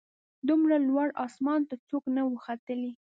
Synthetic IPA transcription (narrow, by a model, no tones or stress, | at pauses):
d̪umɽalwaɽɑsmɑnt̪at͡soknawəxat̪əli